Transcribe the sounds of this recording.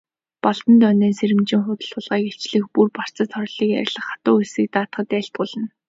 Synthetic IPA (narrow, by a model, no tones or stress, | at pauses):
pɔɮt̪ə̆nt̪œneːseɾɘ̆mt͡ɕĭŋχʊt̪ə̆ɮʊːɮʁaːket͡ɕɮɘ̆xpurpar̥t͡sə̆t̪χɔɾɮiːkjæ̰ɾʲɪ̆ɮə̆χat̪ʊːesɘ̆k̚t̪aːt̪χə̆t̪æːɬt̪̚ɢʊːɮə̆n